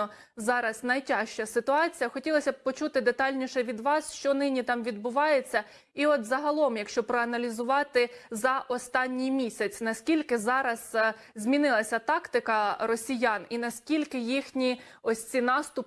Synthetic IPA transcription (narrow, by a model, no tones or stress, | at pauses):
zɑɾɐsnɐjtʲɑʃt͡ʃɐsɪt̪ʊɑt͡sʲijɐxɔtʲilˠɔsʲɐpɔt͡ʃut̪ɪd̪et̪ɑlʲnʲiʃɛʋʲid̪ʋɑsʃt͡ʃɔnɪnʲit̪ɑmʋʲid̪bʊʋɑjet͡sʲːɐ | iɔt̪zɐɦɐlˠɔmjɐkʃt͡ʃɔpɾɔɐnɐlʲizʊʋɑt̪ɪzɐʔɔst̪ɑnʲːijmʲisʲɐt͡sʲnɐsʲkʲilʲkɪzɑɾɐz | zʲmʲinɪlˠɐsʲɐt̪ɑkt̪ɪkɐɾɔsʲijɑninɐsʲkʲilʲkɪjixnʲiɔsʲt͡sʲinɑst̪ʊp